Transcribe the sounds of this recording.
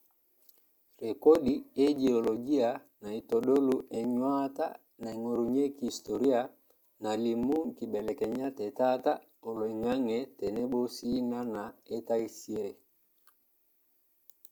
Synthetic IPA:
ɾe˨kɔ˦ɗi˨e˦d͡ʒe˨o˨lo˨ɡi˦a˨ | na˨i˨to˨ɗo˦lu˦ʔɛ˨ɲwa˦ta̰˦ | na˨ŋo˨ɾu˨ɲe˦ki˨sto˨ɾi˦a˨ | na˨li˨mu˦ŋ̩˨ki˨ɓɛ˨lɛ˨kɛ˨ɲa˦tɛ˨ta˦ta˦ | o˨lo˨ɛ˨ŋa˦ŋɛ˨tɛ˨nɛ˦ɓo˦si˦ŋa˦na˨e˦ta˦i˦si˦e˦ɾe˨

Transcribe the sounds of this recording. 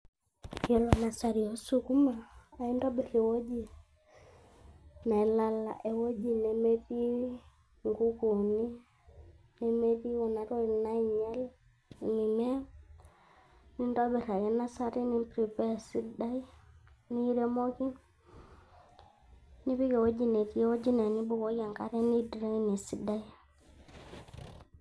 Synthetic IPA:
jɔ˨lɔ˨na˨sa˨ɾi˨ɔ˦su˨ku˦maː˨i˦ndɔ˦ɓɛ˨ɾɛ˨wɔ˦d͡ʒi˨ | na˨ɛ˨la˦la̰˨ʔɛ˨wɔ˦ʄi˨nɛ˨mɛ˦ði˦ | ŋɡu˦ku˨ni˦ | nɛ˨mɛ˦ði˦wɔ˨na˨ɾɔ˦i˨na˦i˨ɲɛ˦l | ni˨mɛ˦ | ni˦ndɔ˦bɛ˨ɾa˨kɛ˨˦na˦sa˦ɾi˦ni˦pɾi˨pɛ˦˨si˦da˦i˦ | ni˦ɾe˦mo˦ki˦ | ni˦pi˦ke˨wo˦d͡ʒi˨ne˨ki˨˦wo˦d͡ʒi˦ne˨ni˦bu˦ko˨˦ja˨ŋka˦ɾɛ˦ni˦dɾe˦ŋ˦ni˨si˦da˦i˦

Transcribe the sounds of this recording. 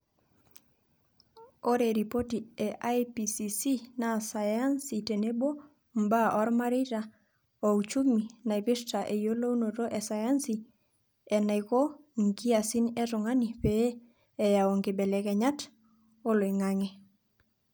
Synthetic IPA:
o˦ɾe˨ɾi˨po˦ti˨ɛ˨ʔa˦jpi˨si˨si˦na˨sa˨ja˦nsi˨te˨ne˦bo˦ | mba˦ʔɔ˦ɾma˦ɾi˦ta˨ | o˨u˨t͡ʃu˦mi˨na˨i˨pi˦ɾta˨ʔe˨jo˦lo˦u˦no˨to˦ʔɛ˨sa˨ja˦nsi˨ | ɛ˨na˨jko˦ŋki˦a˨si˦nɛ˦tʊ˨ŋa˦ni˨peː˦˨ | ja˨o˨ŋɡɪ˨bɛ˨lɛ˨kɛ˨ɲa˦t | o˦lo˨i˨ŋa˦ŋe˦

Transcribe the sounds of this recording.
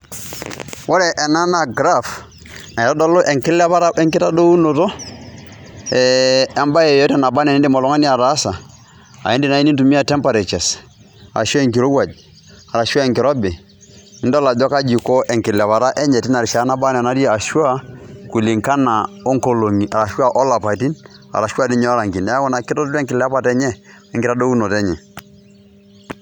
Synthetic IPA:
wɔ˦ɾɛ˨ʔɛ˨na˦na˨ɡɾa˦f | na˨ɛ˨tɔ˦dɔ˦lo˦ʔɛ˨ŋkɪ˦lɛ˦βa˦ɾa˦ɛ˦ŋkɪ˦ta˦do˦u˦no˨to˦ | ɛ˨ɛ˦mba˦jɛ˨jɔ˦tɛ˦˨na˨ba˦nɛ˨nɛ˦ndɪ˦mɔ˨lɔ˦ŋa˦ni˦a˨ɾa˨˦sa˨ | a̰˨ɛ˦ndi˨na˦i˦ni˦ntu˨mi˦a˨tɛ˦mpa˨ɾɛ˨t͡ʃɛ˨s | aa̰˨ʃu˦a˦ɛ˨ŋki˨ɾo˦wa˨d͡ʒ | a˨ɾa˨ʃwa˦ɛ˨ŋkɪ˨ɾɔ˦bɪ˨ | nɪ˦ndla˨d͡ʒɔ˦ka˦d͡ʒi˨kɔ˦ʔɛ˨ŋkɪ˨lɛ˨βa˨ɾa˦ʔɛ˦ɲɛ˨ti˦na˨ɾʃa˨a˦na˦ba˦n˨ɛ˨na˦da˨ʃwa˦ku˨li˨ŋka˦na˨ɔ˦ŋko˦lo˨ŋi˨a˨ɾa˨ʃwa˦ʔɔ˦la˨pa˨ti˦na̰˨ɾa˨ʃwa˦˨di˦ɲɛ˦ɔ˦ɾa˨ŋki˨nɛ˨˦a˦kɔ˦na˨kɪ˦tɔ˦ttɛ˦ŋkɪ˨lɛ˦pa˨tɛ˦ɲɛ˦ | ɛ˨ŋkɪ˦ɾa˦do˦u˦nɔ˨tɛ˦ɲɛ̰˨

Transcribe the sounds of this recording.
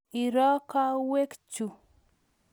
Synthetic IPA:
i˨ɾɔ˦ka˦we˦kt͡ʃu˨

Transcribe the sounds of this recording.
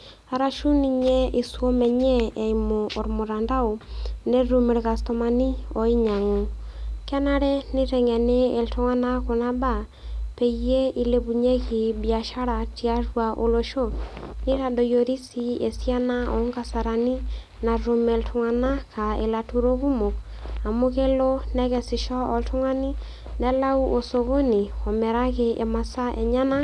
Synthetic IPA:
a˨ɾa˨ʃu˦ni˦ɲɛ˦i˨suɔ˦mɛ˨ɲɛː˦˨imɔː˨ɾmo˨ɾanda˦o˨ne˦ɾume˨ɾɣa˨stɔ˦ma˦ni˦ɔ˨i˦ɲa˨ŋo˨ka˦na˦ɾɛ˦ne˦ɾɛ˨ŋɛ˨nɛː˦˨ltʰo˦ŋa˦na˦ko˨naba˨ | pɛ˨iɛ˦i˦le˦βu˨ɲɛ˦ɣi˨bia˨ʃa˦ɾati˦a˦ɾwaʔo˨lɔ˦ʃo˦ne˦ɾa˨do˨jo˨ɾi˦si˨e˨sia˦na˦o˨˦ŋɡa˦sa˨ɾa˨ni˦ | na˨ɾo˨me˨ltʰo˨ŋa˨na˦ka˨ḛ˨la˨tu˨ɾo˦ɣu˦mo˨ka˨mo˦ɣe˦lo˦nɛ˦ɣɛ˨si˨ʃɔ˦ɔ˨ltʰo˦ŋwa˦ni˦ | nɛ˦la˦u˦ʔo˨so˨ɣo˦ni˨ɔ˨mɛ˨ɾa˦ɣeʔe˨ma˨sa˦ʔɛ˨ɲa˦na˦

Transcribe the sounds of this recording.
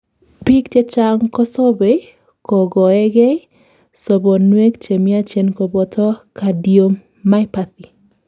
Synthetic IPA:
pi˦ktje˦t͡ʃa˦ŋkɔ˦sɔ˦be˦ | kɔ˨ɡɔ˨ɛ˦ɡɛ˦ | sɔ˨bo˨nwe˦kt͡ʃe˨mi˦a˦t͡ʃe˨nko˨bɔ˨tʰɔ˦ka˨djo˨mː | a˦ɛpat̪i˨

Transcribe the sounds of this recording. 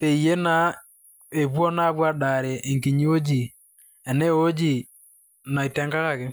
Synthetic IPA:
pe˨i˨je˦na˦ | e˨βwɔ˦na˦βwa˦ɗa˨ɾe˨ʔe˨ŋki˨ɲi˦o˦d͡ʒi˨ | ɛ˨ne˦o˦d͡ʒi˦˨ | na˨i˨tɛ˦ŋka˦ka˦˨kɪ˦

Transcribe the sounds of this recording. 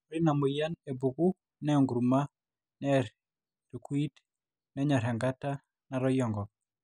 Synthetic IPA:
ɾi˦na˨mʊ˨ja˦ne˨bu˨ɡu˦ | nɛ˦˨ŋɡɾu˨ma˦ | nɛ˦ | ɾkwi˦t | nɛ˦ɲa˨ɾɛ˨ŋɡa˦ta˦ | na˨ɾɔ˦jɔ˨ŋɡɔ˨

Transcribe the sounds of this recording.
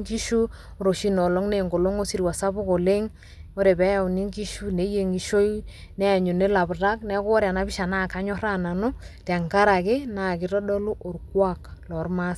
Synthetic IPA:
ŋki˦ʃu˦ | ɾo˨ʃi˦nɔ˨lo˦ŋne˨ŋɡo˨lo˦ŋo˦si˨ɾwa˨sa˦bʊ˦ko˨le˦ŋ | o˦ɾe˨bɛ˦ja˨ni˦ŋɡi˦ʃu˦ne˨˦je˨ŋi˨ʃo˦j | nɛ˦a˨ɲo˨ne˦la˨bɾa˦knɛ˦ko˦ɾja˨na˦bi˦ʃa˨na˦˨ka˦ɲɔ˦ɾa˦na˨no˦ta˨ŋka˦ɾa˨ke˦na˨kɪ˦ɾɔ˦dɔ˦lu˦ʔo˨ɾkwa˦˨klɔ˨rma˦s

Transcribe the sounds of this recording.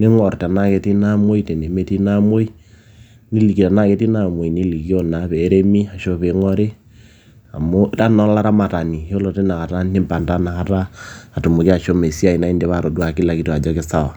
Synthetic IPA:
ne˦ŋɔ˨rta˨na˦ke˨ti˦na˦mo˦i˦te˨ne˨me˦ti˦na˦mo˦i˦ | ni˦li˨ki˨ta˨na˦˨ke˦ti˦na˦˨mwo˨i˨ni˦li˨ki˦o˦na˨˦βɛ˨˦ɾe˦mi˦a˨ʃo˦βe˨˦ŋɔ˦ɾe˦ | a˨mo˦ta˦nɔ˦la˦ɾa˦ma˨ta˨ni˨jo˦lɔ˨te˦na˨ka˨ta˦ni˦mpa˨nda˦na˨ka˦taː˦˨tu˨mu˨ki˦a˨ʃo˦me˨si˦a˨i˨na˨˦i˦nde˨βa˨ɾo˨dwa˨ki˦la˨ki˦to˨a˨d͡ʒɔ˦ke˦sa˦˨wa˨

